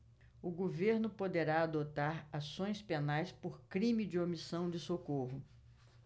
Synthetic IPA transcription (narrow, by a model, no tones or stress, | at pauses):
ʊɡoveɾnʊpod̪eɾaad̪ot̪aɾasõj̃spenajspoɾkɾĩmɪd͡ʒɪomisɐ̃w̃d͡ʒɪsokoɦʊ